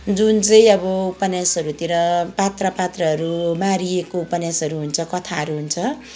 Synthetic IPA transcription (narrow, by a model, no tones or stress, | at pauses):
d͡zunt͡sʌjĩʌbʌupʌnjasʌɾut̪iɾʌpat̪rʌpat̪rʌɦʌɾumaɾiekoupʌnjasʌɾuɦunt͡sʰʌkʌt̪ʰaɦʌɾuɦunt͡sʰʌ